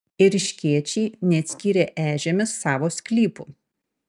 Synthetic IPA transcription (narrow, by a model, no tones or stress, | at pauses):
ɪɾʲɪʃʲkʲiɛt͡ʃʲɛɪnʲɛɐt̪ʲsʲkʲiːɾʲeːʔæːʒʲemʲɪsːɑːʋoːsʲkʲlʲiːpṵ